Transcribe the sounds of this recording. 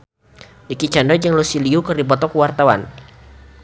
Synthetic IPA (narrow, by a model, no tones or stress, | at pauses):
ʔikit͡ʃandɔd͡ʒəŋlusiliukərdipɔt̪ɔkuwart̪awan